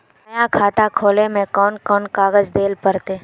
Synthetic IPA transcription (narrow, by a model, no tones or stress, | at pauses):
nɐjakʰaːt̪akʰoːlemẽkɔːnkɔːnkaːɡəd͡ʒd̪eːlpəɾt̪eː